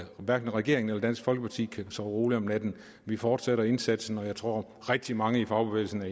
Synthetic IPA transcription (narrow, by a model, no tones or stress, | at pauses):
ʋæɐɡ̥n̩ʁɛɡ̥e̝ɐeŋn̩elɐdæn̰sɡ̥fɒ̽lɡ̥əpʰɑ̈t͡sʰḭːkʰæsɒʊʁo̝ːliɒmnæd̥n̩ | ʋifɒːd̥seɾɐe̝nsæd̥sn̩ɒ̽jɑ̈ɪt͡sʰʁo̝ɐ̰ | ʁɛɡ̥̚d̥imɑ̈ŋəifɑ̈ʊb̥e̝ʋḛːl̩sn̩æ